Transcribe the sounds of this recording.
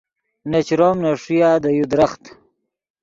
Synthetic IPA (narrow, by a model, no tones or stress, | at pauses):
net͡ɕɾomnaʂijaːd̪əjud̪ɾaχt̪